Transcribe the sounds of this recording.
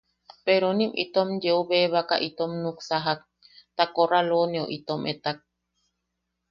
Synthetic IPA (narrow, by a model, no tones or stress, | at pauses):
peɾonimʔḭt̪omjeoβeːβaka̰ʔit̪omnuksaɦak | t̪akoɾaloneo̰ʔit̪omʔet̪ak̚